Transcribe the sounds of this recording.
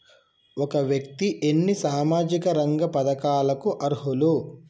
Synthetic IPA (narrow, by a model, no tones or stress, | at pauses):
ɔkɐʋjɐk̚t̪iʔenːisaːmaːd͡ʒikɐɾɐŋɡɐpɐd̪ɐkaːlɐkuʔɐɾɦulu